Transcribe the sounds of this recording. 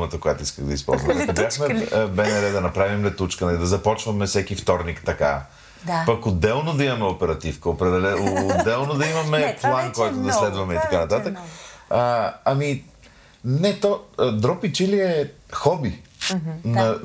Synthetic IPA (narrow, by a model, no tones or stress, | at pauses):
mət̪əkojat̪oiskəɣd̪ɐ̰ḭspɔ̰lˠzvmkʊjaxmɛbɛnɛɾɛd̪ɐnɐpɾavimlɛt̪ut͡ʃkənɐlid̪ɐzɐpɔt͡ʃvəmɛfsɛkift̪ɔɾnikt̪ɐka̰ | d̪apɐkod̪ːɛlˠnod̪ɐimɐmɛopɛɾɐt̪ifkəopɾɛɛlɛd̪ːɛlˠnod̪ɐimɐmɛplˠankɔjt̪od̪ɐslɛd̪vɐmɛit̪ɐkanɐt̪at̪əkəɐmi | nɛt̪ɔd̪ɾɔpit͡ʃiliɛxɔbi | nɐ